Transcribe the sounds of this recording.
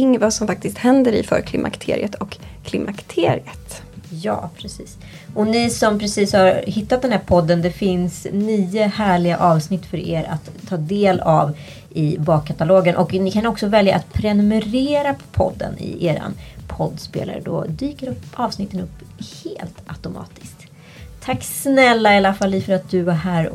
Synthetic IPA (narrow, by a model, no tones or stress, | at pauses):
ɪŋvasɔmfak̚t̪ɪst̪hɛnd̪əɾɪ̰fœ̰ɾkʰlɪmʔa̰kt̪ʰḛːɾɪ̰ət̪ʰɔkʰː | lɪmʔakt̪ʰeːɾɪət̪ | jɑ̰ːpʰɾɛsiːs | ʔɔnɪsɔmpʰɾɛsiːshaɾhɪt̪ːat̪d̪ɛnhæːɾpʰɔd̪ːənd̪ɛfɪnsnyːəhæːɭɪɡaʔɑːvsnɪt̪ːfœɾḛːɾa̰t̪ʰːɑːd̪eːlav | ʔɪbɑːkʰːat̪aloːɡənʔɔknɪkʰanɔksɔvɛlja̰ʔat̪pʰɾɛnɵmɛɾeːɾapʰɔ̰d̪ːə̰nɪ̰ʔeːɾa̰npʰɔd̪ːspḛːla̰ɾə̰d̪ɔ̰d̪yːkəɾɵpːɑːvsnɪt̪ːənɵpː | heːlt̪at̪ʊmʔɑ̰ːt̪ɪ̥skt̪ | t̪ʰakːsnɛlːaɪalafalːifœɾat̪̚d̪ɵvaɾɦæːɾ